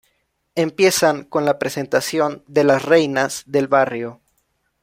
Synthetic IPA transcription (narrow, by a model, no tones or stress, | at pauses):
e̞mpje̞saŋko̞nlapɾe̞se̞nt̪asjo̞nd̪e̞lasre̞jnazðe̞lβarjo̞